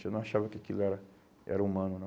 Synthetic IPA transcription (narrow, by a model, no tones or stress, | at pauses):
enɐ̃w̃aʃavɐkɪakilʊɛɾɐ | ʔɛ̰ɾɐumɐ̃nʊnɐ̃